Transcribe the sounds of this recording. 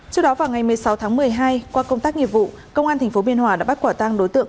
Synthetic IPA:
t͡ɕɨ˦˥ək̚ɗɔ˨˦vaː˨˩wŋa˨˩jmɨ˨˩əjsa˨˦wt̪ʰa˨˦ŋmɨ˨˩əjɦaː˧jkwaː˧kə˧wŋ͡mt̪aː˦˥k̚ŋḭ˧˨əp̚vṵ˧˨ | kə˧wŋ͡mʔaː˧nt̪ʰa˨˩ŋ̟fo˨˦mi˧ənɦwaː˨˩ɗa̰ː˧˥ɓa˦˥t̚kwaː˧˩t̪aː˧ŋɗo˨˦jt̪ɨ̰˧˨əŋ

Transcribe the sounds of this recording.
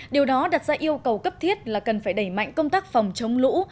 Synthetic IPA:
ɗi˨˩əwɗɔ˨˦ɗa˨˩t̚zaː˧ʔi˧əwkə˨˩wkə˦˥p̚t̪ʰi˦˥ət̚laː˨˩kə˨˩nfaː˧˩jɗə˧˩jma̰˧˨ŋ̟kə˧wŋ͡mt̪aː˦˥k̚fa˨˩wŋ͡mt͡ɕə˨˦wŋ͡mlṵ˧˥

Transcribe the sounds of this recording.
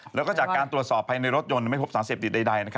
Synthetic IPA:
lɛː˦˥wkɔ˥˩t͡ɕaː˨˩kkaː˧nt̪ɾu˨˩ət̪sɔː˨˩pʰːaː˧jna˧jɾo˦˥t̪̚jo˧n˩ma˥˩jpʰpsaː˩˦seː˨˩p̚t̪i˨˩t̪̚da˧jda˧jna˦˥kʰ

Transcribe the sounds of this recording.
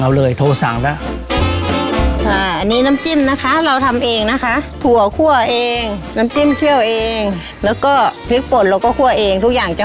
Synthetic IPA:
ŋʔa˧˩wlɤː˧˩jt̪ʰoː˧sa̰˨˩˦ŋla˦˥˩ | ʔaː˨˩ʔa˧nːiː˦˥na˦˥mt͡ɕi˥˩mna˦˥kʰa˦˥ɾa˧wt̪ʰa˧mʔeː˧ŋna˦˥kʰa˦˥ʔt̪ʰu˧˩ɐkʰu˥˩ɐʔeː˧ŋna˦˥mt͡ɕi˥˩˨mt̪ʰi˥˩əwʔeː˧ŋ | lɛː˦˥wkɔː˥˩pʰɯ˦˥k̚po˨˦nɾaː˧wkɔː˧˥˩kʰu˥˩ɐʔeː˧ŋt̪ʰu˦˥k̚jaː˨˩ŋt͡ɕa˧˩

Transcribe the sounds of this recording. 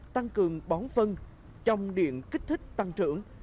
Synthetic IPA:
t̪a˧ŋkɨ˨˩əŋɓɔ˨˦nfə˧n | t͡ɕɔ˧wŋ͡mɗḭ˧˨ənki˦˥k̟̚t̪ʰi˦˥k̟̚t̪a˧ŋt͡ɕɨ̰˧˩əŋ

